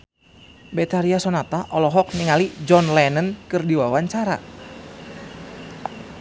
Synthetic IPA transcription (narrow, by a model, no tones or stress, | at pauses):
bɛt̪aɾiasɔnat̪aʔɔlɔɦɔk̚niŋalid͡ʒɔnlɛnənkɨrdiwawaɲt͡ʃaɾa̰